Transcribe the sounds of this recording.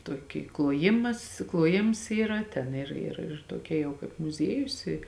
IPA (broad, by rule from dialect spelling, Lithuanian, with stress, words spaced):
ˈtuɔˌkʲiː klˠuɔˈjɪmɐs klˠuɔˈjɪms ˈiːrɐ ˈtʲɛn ˈɪr ɪr ɪr ˈtuɔˌkʲɛ ˈjɛʊ kɐɪp mʊˈzʲiɛjʊs ɪ